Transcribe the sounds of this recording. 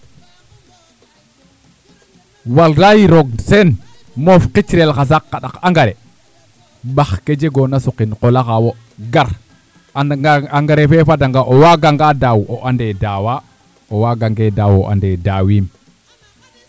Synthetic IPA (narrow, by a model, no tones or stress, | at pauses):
walɾajiɾoɡsen | mofqit͡ʃɾelkas̬akːaɗakaŋɡaɾe | ɓaxked͡ʒeɡonasuqinqolaxawo | ɡaɾ | aŋɡaɾefefadaŋɡaʔowaɡaŋɡadawoʔandedawa | owaɡaŋɡedawo̰ʔa̰ndedawim